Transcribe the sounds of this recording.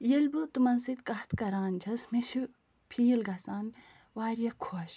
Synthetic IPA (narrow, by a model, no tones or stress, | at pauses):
jelʲbut̪umɐnsit̪kɐht̪ʰkɐɾaːnd͡ʒʰɐsmeʃi | pʰiːlɡɐsaːn | waːɾjɐkʰoʃ